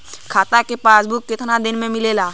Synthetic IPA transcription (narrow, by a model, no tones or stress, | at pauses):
kʰaːt̪akepaːsbukːɪt̪ʰnad̪ɪnmẽmɪleːlaː